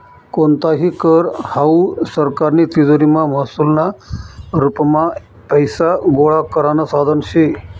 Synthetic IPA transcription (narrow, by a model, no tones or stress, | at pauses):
kont̪aɦikəɾhausəɾkaɾnit̪izoɾimãmasulna | ɾupmã | pəjsaɡoɭakəɾanasad̪ʱənt͡ʃʰe